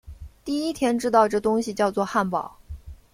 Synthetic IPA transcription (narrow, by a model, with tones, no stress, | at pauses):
t̪i˥˩i˥t̪ʰjɛ˥nʈ͡ʂɻ̩˥t̪ɑ˥˧ʊʈ͡ʂɤ˥˩t̪ʊ˥ŋɕi˨t͡ɕjɑ˥˧ʊt͡swɔ˥˧xa˥˩npɑ˨˩˦ʊ